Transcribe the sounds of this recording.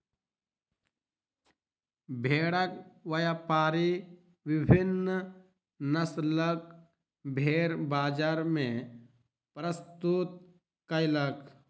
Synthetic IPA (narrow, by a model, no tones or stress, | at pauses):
bʱeːɽək̚ʋɐjapaːɾi | ʋɪbʱɪn | nəslək̚ | bʱeːɾbaːd͡ʒaːɾmẽ | pɾəst̪ut̪̚ | kəjlək